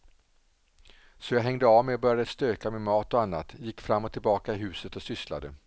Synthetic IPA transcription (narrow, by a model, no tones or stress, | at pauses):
sɔjɑːɡɦɛŋd̪əavmɛjɔbœɾjad̪əst̪øːkamɪnmɑːt̪ɔanːat̪jɪkːfɾamːɔt̪ʰːɪlbɑːkaɪɦʉ̟ːsət̪ɔsʏsla̰d̪ə